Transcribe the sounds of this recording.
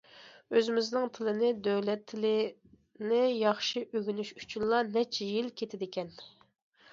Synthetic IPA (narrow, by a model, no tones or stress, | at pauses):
øzɪmɪznɪŋt̪ʰɪlˠɪnɪd̪øwlɛt̪ʰːɪlɪ | nɪjɑχʃiʔøɡʲynyʃy̥t͡ʃʰynlˠɑnɛt͡ʃʰɛjilkʲʰet̪ʰɪd̪ɪkʲɛn